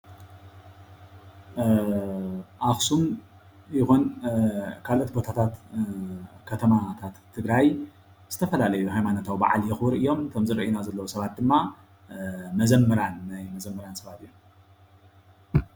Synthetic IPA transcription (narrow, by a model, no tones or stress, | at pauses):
ʔaxsum | jɪxun | kʰalʔot̪̚bo̞t̪ʰat̪ʰat̪ | kʰɐt̪ʰɐmat̪ʰat̪ʰːɨɡɾaj | z̥ɨt̪ʰɐfɐlalɐjuhajmanot̪ʰawba̰ʕa̰ljɛxwɾiʔijo̞mk̪ʰɐmzɨɾiʔɨjnazɐlːɐwusɐβat̪̚d̪ɨmːa | mɐzɐmːɐɾanːajmɐzɐmːɐɾansɐβat̪ijom